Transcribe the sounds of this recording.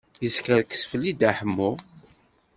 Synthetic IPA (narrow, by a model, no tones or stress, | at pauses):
jəskəɾkːə̥sfəlid̪aħəmːu